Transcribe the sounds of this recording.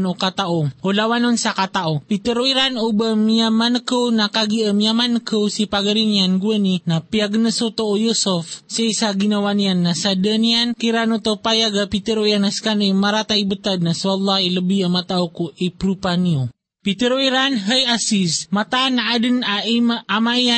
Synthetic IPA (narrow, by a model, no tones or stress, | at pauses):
nokat̪aʔoolawanonsakat̪aʔopit̪əɾoiɾanubəmiamanəkəwnakaɡiəmjamanəkəwsipaɡaɾinianɡuəninapiaɡnəsot̪oojusofsejsaɡinawanianːasadəniankiɾanut̪opajaɡapit̪eɾoijanaskanemaɾat̪aibət̪ad̪̚nasalːailəbiamat̪aʔokoʔipɾupanio | pit̪eɾoiɾanɦəjasismat̪anaadənaʔimaamaia